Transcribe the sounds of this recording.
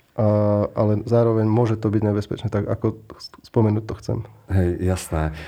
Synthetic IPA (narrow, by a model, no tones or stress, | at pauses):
ʔaʔalɛzaːɾɔʋɛɲmʊɔʒɛt̪ɔbiɟɲɛbɛspɛt͡ʃnɛt̪aɡa̰kɔspɔmɛnuːc̚t̪ɔxt͡sɛ̰mɦɛjjasnɛː